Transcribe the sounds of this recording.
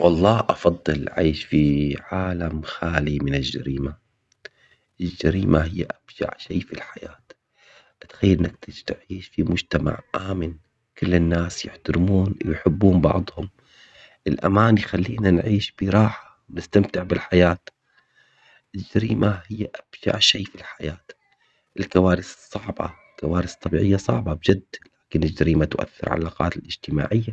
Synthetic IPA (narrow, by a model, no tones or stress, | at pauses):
wɑlˤːɑːʔɑfɑd̪ˤːɨlʕa̰ːʃfiʕaːlamxaːlimɪnɪld͡ʒa̰ɾiːma | ʔɪld͡ʒːaɾiːmaɦɪjːaʔab̥d͡ʒa̰ʕʃiːfilħajaːt̪ | ʔat̪xajːlʔɪnːak̚t̪ɪd͡ʒt̪ʕiːʃfimʊd͡ʒt̪ama̰ʕʔaːmɪn | kɪlːɪnːaːsjɪħt̪ʊɾmuːnjħɪbːuːmbɑ̰ʕd̪ˤhʊm | ʔɪlʔa̰maːnjxalːiːnanʕiːʃbiɾˤɑːħḁwnɪst̪amt̪ɪʕbɪlħajaːt̪ | ʔɪd͡ʒaɾiːmʔahɪjːaʔab̥ʒa̰ʕʃiːfilħajaːt̪ | ʔɪlkawaːɾɪssˤːɑʕbɑ̰ɪlkawaːɾɪst̪ˤːɑbiːʕɪjːasˤɑʕbɑbd͡ʒɪd̪laːkɪnɪd͡ʒːaɾiːmat̪ʔa̰θːɪ̰ɾʕa̰laːqɑ̰ːt̪ɪlʔɪd͡ʒt̪ɪma̰ːʕɪjːa